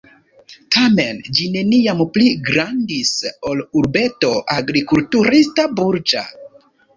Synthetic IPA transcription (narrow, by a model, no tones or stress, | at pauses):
tame̞nd͡ʒine̞niampliɡɾandiso̞luɾbe̞to̞ʔaɡɾikultuɾistabuɾd͡ʒa̰